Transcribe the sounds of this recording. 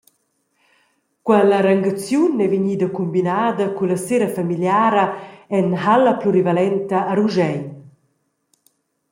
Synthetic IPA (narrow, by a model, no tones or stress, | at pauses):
kwɛlaɾaŋɡat͡sjunɛviɲid̪akumbinaːd̪ɐkulaseɾafamiljaːɾaɛnɦalapluɾivalɛnt̪aːɾuʒɛj